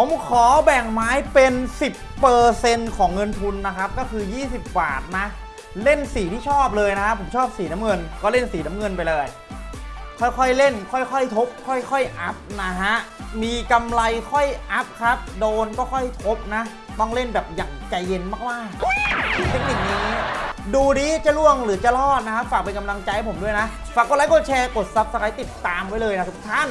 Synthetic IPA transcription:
pʰo˩˦mkʰɔː˩˦bɛ˨˩ŋmaː˦˥jpe˧nsi˨˩pːɤː˧se˧nkʰɔː˩˦ŋːɤ˧nt̪ʰu˧nːa˦˥kʰa˦˥p̚kɔː˥˩kʰɯː˧jiː˥˩si˨˩p̚ba̰ː˨˩t̪̚na˦˥ʔ | le˥˩nsiː˨˩˦t̪ʰiː˥˩ɔː˥˩p̚lɤː˧jna˦˥kʰa˦˥pʰːo˩˦mt͡ɕʰɔː˥˩p̚siː˩˦na˦˥mŋɤ˧nkɔː˥˩le˥˩nsiː˩˦na˦˥mŋɤ˧np̬a˧jlɤː˧j | kʰɔ˥˩jkʰɔ˥˩jle˥˩nkʰɔ˥˩jkʰɔ˥˩jt̪ʰo˦˥p̚kʰɔ˥˩jkʰɔ˥˩jʔa˦˥p̚na˦˥ɦa˦˥ʔmiː˧ka˧mla˧jkʰɔ˥˩jʔa˦˥p̚kʰa˦˥p̚doː˧nkɔː˥˩kʰɔ˥˩jt̪ʰo˦˥p̚na˦˥ | t̪ɔ˥˩ŋle˥˩nbɛː˨˩p̚jaː˨˩ŋt͡ɕa˧jːe˧nmaː˥˩k̚maː˥˩˧ | t̪ʰe˦˥k̚ni˨˩k̚niː˧˥ŋiː˦˥duː˧diː˦˥t͡ɕa˧˦lu˥˩əŋlɯː˩˦t͡ɕa˨˩lɔː˥˩t̪̚na˦˥kʰa˦˥p̚faː˨˩k̚pe˧nka˧mla˧ŋt͡ɕa˧jhpo˩˦du˥˩əjna˦˥ | faː˨˩k̚ːnla˧˥ko˨˧˩t͡ɕʰɛː˧ko˨˩t̪̚sa˦˥p̚sa˧kʰa˧˦˥jt̪i˨˩t̪ːaː˧mwa˦˥jlɤː˧jna˦˥t̪ʰu˨˩t̪ʰaː˦˥˩n

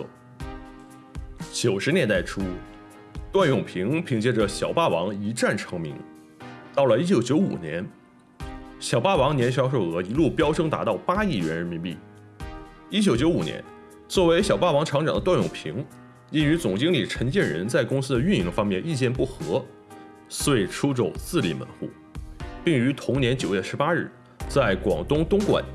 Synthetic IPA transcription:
t͡ɕjo˨˩ʊʂɻ̩˧˥njɛ˧˥nt̪a˥˩ɪʈ͡ʂʰu˥ | t̪wa˥˧njʊ˨˩ŋpʰi˧˥ŋpʰi˧˥ŋt͡ɕjɛ˥ʈ͡ʂə˨˩ɕjɑ˨˩ʊpa˥˩wɑ˧˥ŋi˧˥ʈ͡ʂa˥˩nʈ͡ʂʰɤ˧˥ŋmḭ˧˥ŋ | t̪ɑ˥˩ʊlə˩i˥˩t͡ɕjo˨˩ʊt͡ɕjo˧˥ʊṵ˨˩njɛ̰˧˥n | ɕjɑ˨˩ʊpa˥˩wɑ˧˥ŋnjɛ˧˥nɕ̬jɑ˥ʊʂ̬o˥˩ʊɤ˧˥i˧˥lu˥˩pjɑ˥ʊʈ͡ʂʰɤ˥ŋt̪a̰˧˥t̪ɑ˥˩ʊpa˥i˥˩ɥɛ˧˥nɻə˧˥nmi˧˥pḭ˥˩ | i˥˩t͡ɕjo˨˩ʊt͡ɕjo˧˥ʊu˨˩njɛ̰˧˥n | t͡swɔ˥˩we˧˥ɪɕjɑ˨˩ʊpa˥˩wɑ˧˥ŋʈ͡ʂʰɑ˧˥ŋʈ͡ʂɑ˨˩ŋd̪ə˦t̪wa˥˩njʊ̰˨˩ŋpʰḭ˧˥ŋ | i˥ny˧˥t͡sʊ˨˩ŋt͡ɕi˥ŋli˨˩ʈ͡ʂʰə˧˥ŋt͡ɕɛ˥˩nɻə̰˧˥nt͡sa˥˩ɪkʊ˥ŋsɹ̩˥d̪ə˧y˥˧ni˧˥ŋfɑ˥ŋmjɛ˥˧ni˥˧t͡ɕjɛ˥˧npu˥˩xɤ˧˥ | swe˥˩ɪʈ͡ʂʰu˥ʈ͡ʂo˨˩ʊt͡sɹ̩˥˩lḭ˧˥˩mə̰˧˥nxṵ˥˩ | pi˥˩ŋy˧˥t̪ʰʊ˧˥ŋnjɛ˧˥nt͡ɕjo˨˩ʊɥɛ˥˩ʂɻ̩˧˥pa˥ɻ̩˥˩ | t͡sa˥˩ɪkwɑ̰˨˩ŋt̪ʊ˥ŋt̪ʊ˥ŋkwa̰˨˩˦n

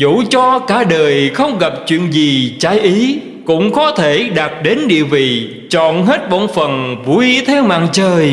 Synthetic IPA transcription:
zṵ˧˥t͡ɕɔ˧kaː˧˩ɗəː˨˩jxə˧wŋ͡mɣa˨˩p̚t͡ɕwḭ˧˨ənzi˨˩t͡ɕaː˨˦jʔi˨˦ | kʊ̰˧˥ŋ͡mxɔ˨˦t̪ʰe˧˩ɗa˨˩t̚ɗe˨˦nɗḭ˧˨əwvḭ˧˨ | t͡ɕɔ̰˧˨nɦe˦˥t̚ɓɔ̰˧˨nfə˨˩nvu˧˩jt̪ʰɛ˧wma̰ː˧˨ŋt͡ɕəː˨˩j

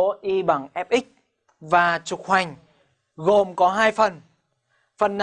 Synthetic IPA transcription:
o˨˦ʔi˧ɓa˧˩ŋʔɛ˦˥p̚ʔï˦˥k̟̚ | vaː˨˩t͡ɕʊ˨˩k̚hwa˨˩jŋ̟ | ɣo˨˩mkɔ˨˦ɦaː˧jfə˨˩n | fə˨˩nː˨

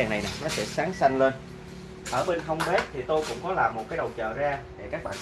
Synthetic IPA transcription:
aː˨˩ŋna˨˩jnaː˨˩nɔ˨˦sɛ̰˧˥saː˨˦ŋsa˧jŋ̟le˧n | ʔəː˧˩ɓe˧nɦə˧wŋ͡mɓe˦˥t̚t̪ʰi˨˩t̪o˧jkʊ̰˧˥ŋ͡mkɔ˨˦laː˨˩mːo˨˩t̚kaː˨˦jɗə˨˩wt͡ɕə̰ː˧˩zaː˧ɗḛ˧˩kaː˦˥k̚ɓa̰ː˧˨

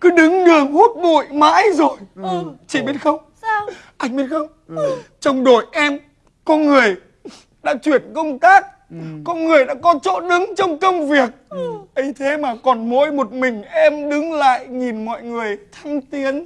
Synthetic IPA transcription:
kɨ˨˦ɗɨ˨˦ŋɗɨ˨˩əŋhu˦˥t̚ɓṵ˧˨jma̰ː˧˥jzo˨˩jt͡ɕḭ˧˨ɓi˦ət̚xə˧wŋ͡m | ʔa˧jŋ̟ɓi˦ət̚xə˧wŋ͡m | t͡ɕɔ˧wŋ͡mɗo˨˩jʔɛ˧m | kɔ˧nŋɨ˨˩əj | ɗa̰ː˧˥t͡ɕwi˧˩ənkə˧wŋ͡mt̪aː˦˥k̚ː | ɔ˧nŋɨ˨˩əjɗa̰ː˧˥kɔ˨˦t͡ɕo̰˧˥ɗɨ˨˦ŋt͡ɕɔ˧wŋ͡mkə˧wŋ͡mvi˨˩ək̚ʔi˨˧˦jt̪ʰe˨˦maː˨˩kɔ˨˩nmo̰˧˥jmo˨˩t̚mï˨˩ŋ̟ʔɛ˧mɗɨ˨˦ŋla̰ː˧˨jŋi˨˩nmɔ̰˧˨jŋɨ˨˩əjt̪ʰa˧jŋ̟t̪i˨˦ən

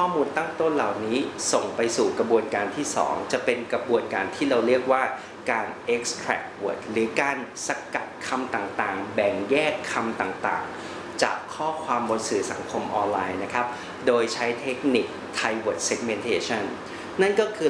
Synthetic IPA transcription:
ɔː˥˩muː˧nt̪a˥˩ŋt̪o˥˩nla˨˩wniː˦˥so˨˩ŋpa˧jsuː˨˩kɾa˧bu˧ənkaː˧nt̪ʰiː˥˩sɔ̰ː˩˦ŋt͡ɕa˨˩pe˧nkɾa˧bu˧ənkaː˧nt̪ʰiː˥˩ɾa˧wɾi˥˩ək̚waː˥˩ | kaː˧nʔe˦˥k̚st̪ʰɾɛ̰˨˩k̚wo˨˩t̪̚ɾɯː˩˦kaː˧nsa˧ka̰˨˩t̪̚kʰa˧mt̪aː˨˩ŋt̪aː˨˩ŋbɛ˨˩ŋjɛː˥˩kʰːa˧mt̪aː˨˩ŋt̪a̰ː˨˩ŋ | t͡ɕa̰ː˨˩kʰːɔː˥˩kʰwaː˧mbo˧nsɯː˨˩˦sa˩˦ŋkʰo˧mʔɔː˧nlaː˧jna˦˥kʰa˦˥p̚ | doː˧jt͡ɕʰa˦˥jt̪ʰe˦˥k̚ni˨˩k̚t̪ʰa˧jwoː˨˩t̪̚se˦˥k̚me˧nt̪ʰeː˧˥t͡ɕʰa˥˩n | na˥˩nkɔː˥˩kʰɯː˧

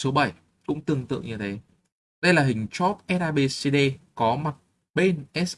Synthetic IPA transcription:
so˨˦ɓə˧˩j | kʊ̰˧˥ŋ͡mt̪ɨ˨˩əŋt̪ɨ̰˧˨ŋɲɨ˧t̪ʰe˨˦ | ɗə˧jlaː˨˩ɦï˨˩ŋ̟t͡ɕɔ˦˥t̚ʔɛ˨˦˥ʔaː˧ɓe˧se˧ɗe˧kɔ˨˦ma˨˩t̚ | ɓe˧nʔɛ˦˥s

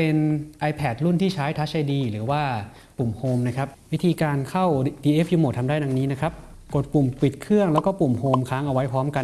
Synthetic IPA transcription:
pe˧nʔa˧jpʰɛː˨˩t̪̚ɾu˥˩nt̪ʰiː˥˩t͡ɕʰaː˦˥jt̪ʰa˦˥t͡ɕa˧˩jdiː˧ɾɯː˩˦waː˥˩ | pu˨˩mhoː˧mna˦˥˩kʰɾa˦˥p̚wi˦˥t̪ʰiː˧kaː˧nkʰa˥˩wdiː˧ʔe˦˥fjuː˧mo˨˩t̪ʰa˧mdaː˥˩jda˧ŋniː˦˥na˦˥kʰɾa˦˥p̚ | ko˨˩t̪̚pu˨˩mpi˨˩t̪̚kʰɾɯ˥˩əŋlɛ˦˥wkɔː˥˩pu˨˩mhoː˧mkʰaː˦˥ŋʔa˧wa˦˥jpʰɾɔː˦˥mka˧

